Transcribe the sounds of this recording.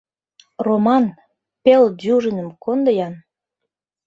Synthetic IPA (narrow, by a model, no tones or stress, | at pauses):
romɑn | peld̪uʒə̆nə̆mkond̪əjɑn